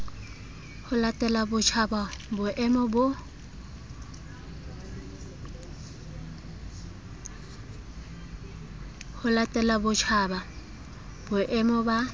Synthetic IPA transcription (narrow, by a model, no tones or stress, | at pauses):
hʊlatʼɛlabʊt͡ʃʰababʊʔɛmɔbʊ | hʊlatʼɛlabʊt͡ʃʰaːba | bʊʔɛmɔba